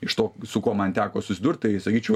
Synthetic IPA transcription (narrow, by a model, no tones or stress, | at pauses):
ɪʃt̪oːsʊkoːmɐnt̪ʲæːkoːsʊsʲɪd̪urt̪̚t̪ɐɪsɐkʲiːt͡ʃʲɛʊ